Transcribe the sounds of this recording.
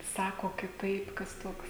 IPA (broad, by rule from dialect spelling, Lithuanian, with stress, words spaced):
ˈsɑːkoː kʲɪˈtɐɪp kɐs ˈtoːks